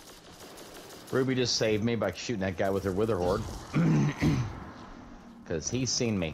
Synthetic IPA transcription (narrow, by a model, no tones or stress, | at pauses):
ɹʉbid͡ʒʌstseɪvmibaɪʃʉɾɪ̃ŋðɨt̚ɡ̥aɪwəð̥ə˞wɪðə˞hɔɹd̚ | kʰʌz̥iz̥sĩnmi